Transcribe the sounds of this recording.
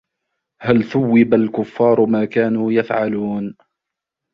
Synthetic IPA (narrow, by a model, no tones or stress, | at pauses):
halθʊwːɪbalkʊfːɑːɾˤmaːkaːnuːjafʕaluːn